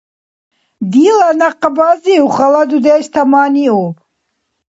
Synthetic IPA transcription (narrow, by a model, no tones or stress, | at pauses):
d̪ilanaqbaziuχalad̪ud̪ɛːʃt̪ʰamaːniu